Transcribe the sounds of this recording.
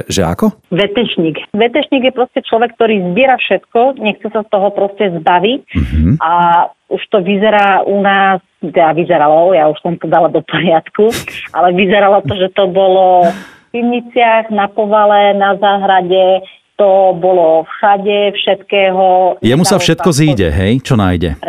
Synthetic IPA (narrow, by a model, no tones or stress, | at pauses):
ʒɛ̰a̰kɔʋɛt̪ɛʃɲikʋɛt̪ɛʃɲiɡjɛpɾɔscɛt͡ʃlɔʋɛk̚ːt̪ɔɾiːzbɪɛɾafʃɛt̪kɔɲɛxt͡sɛsast̪ɔɦɔpɾɔscɛzbaʋicʔa | uʃt̪ɔʋizɛɾaːʔunaːs | t̪ɛd̪aʋizɛɾalɔjauʃsɔmt̪ɔd̪alad̪ɔpɔɾɪat̪kuʔalɛʋizɛɾalɔt̪ɔʒɛt̪ɔbɔlɔfpimɲit͡sɪaɣnapɔʋalɛnazaːɦɾaɟɛ | t̪ɔbɔlɔfxaɟɛfʃɛt̪kɛːɦɔjɛmusafʃɛt̪kɔziːɟɛ̰ɦɛjt͡ʃɔna̰ːjɟɛ̰